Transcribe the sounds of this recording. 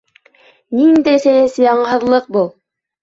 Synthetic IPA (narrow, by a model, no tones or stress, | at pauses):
nind̪æjsæjnɘsɘjɑɴɤɦɤ̆ðlˠɤq̚bulˠ